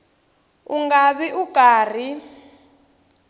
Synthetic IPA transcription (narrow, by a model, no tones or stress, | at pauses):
uŋɡaɓiʔuɡ̥ʱaːr̤i